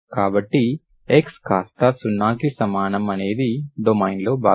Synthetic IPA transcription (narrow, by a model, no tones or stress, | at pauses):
kaːbɐʈːi | ekskaːst̪ɐsunːaːkisɐmaːnɐmɐne̞ːd̪iɖomɐjnlo̞ːba̰ː